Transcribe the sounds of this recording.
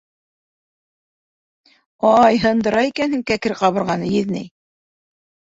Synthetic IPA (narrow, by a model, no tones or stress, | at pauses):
ɑjɦɤ̆nd̪ɤ̆ɾɑikænhɘŋkækɘɾqɑβɤ̆ɾʁɑnɤjɘðnɘj